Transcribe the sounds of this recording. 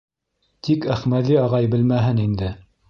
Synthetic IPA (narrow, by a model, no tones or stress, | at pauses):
t̪ʰikæχmæðiɑʁɑjbɘ̆lmæɦɘnind̪ɘ